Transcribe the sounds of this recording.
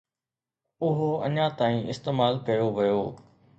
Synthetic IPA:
ʊɦoɐ̰ɲãt̪aːĩɪst̪eːmaːlkɐjoʋɐjoː

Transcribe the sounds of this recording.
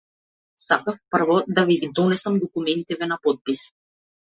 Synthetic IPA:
sakafpəɾvɔd̪aviɡid̪ɔnɛsəmd̪ɔkumɛnt̪ɛvɛnapɔt̪̚pis

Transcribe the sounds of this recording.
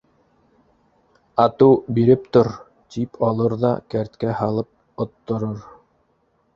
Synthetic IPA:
ɑt̪uwbiɾɘp̚t̪oɾ | t̪ipʰɑlˠɤɾðɑ̰kæɾt̪kæhɑlˠɤp̚ | ŏt̪ːŏɾoɾ

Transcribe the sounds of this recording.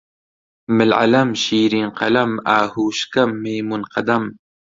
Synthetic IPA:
mɪlʕa̰lɐmʃiːɾiːnqɐ̰lɐmaːhuːʃkɐmːejmunqɐd̪ɐm

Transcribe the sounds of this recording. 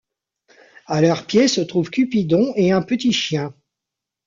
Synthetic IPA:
alœʁpjesət̪χuvkʲypid̪ɔ̃eɛ̃pət̪iʃjɛ̃

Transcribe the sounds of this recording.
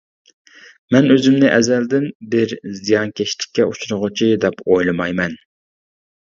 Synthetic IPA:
mɛnøzɪmnɪʔɛzɛld̪ɪnbɪɾzijɑnkʲʰɛʃlɪ̥kʲːɛut͡ʃʰuɾʊʁʊt͡ʃʰid̪ɛpojlˠɨmɑjmɛn

